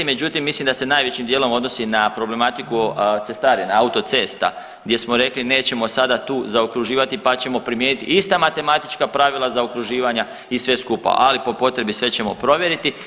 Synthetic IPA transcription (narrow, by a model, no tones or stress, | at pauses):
ime̞d͡ʑut̪imːislimd̪ase̞naːjʋe̞t͡ɕimd̪jeːlo̞mo̞d̪no̞sinapɾo̞ble̞mat̪ikut̪sest̪aːɾjenaaut̪o̞t̪se̞ːst̪a̰ | ɡd̪je̞smo̞ɾe̞kline̞ːt͡ɕe̞mo̞sad̪at̪uːzaokɾuʒiːʋat̪ipat͡ɕe̞mo̞pɾimje̞ːnit̪ḭʔist̪amat̪e̞mat̪i̥t͡ʃkapɾaʋilˠazaokɾuʒiːʋaɲa | isʋe̞skupa̰ʔalipo̞po̞t̪ɾe̞bisʋe̞t͡ɕe̞mo̞̰pɾo̞ʋje̞ɾit̪i